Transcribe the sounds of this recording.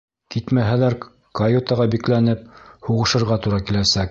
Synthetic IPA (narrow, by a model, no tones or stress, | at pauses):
kit̪mæɦælæɾ | kɐjot̪ɑʁɑbiklænɘp̚huʁɤ̆ʃɤ̆ɾʁɑt̪uɾɑkilæsæk̚